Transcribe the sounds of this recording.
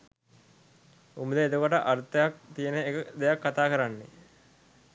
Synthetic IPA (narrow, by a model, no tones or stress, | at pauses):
uməd̪əed̪ukoʈəʔaɾt̪əjak̚t̪ijənəekəd̪ejakːat̪aːkəɾanːe